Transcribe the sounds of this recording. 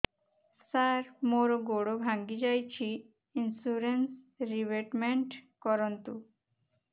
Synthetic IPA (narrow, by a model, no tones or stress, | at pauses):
saɾmoɾoɡoɽobʱãŋɡid͡ʒajt͡ʃʰi | insuɾens | ɾiʋeʈmẽɳʈkɔɾɔnt̪u